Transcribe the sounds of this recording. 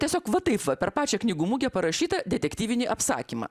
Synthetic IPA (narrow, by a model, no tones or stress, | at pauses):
t̪ʲiɛsʲoːkʋɐt̪ɐɪpʋɐpʲɛɾpɑːt͡ʃʲɛknʲɪɡuːmuɡʲɛpɐɾɐʃʲiːt̪ɐd̪ʲɛt̪ʲɛkt̪ʲiːʋʲɪnʲiʔɐpsɑ̰ːkʲiːmɑ̰ː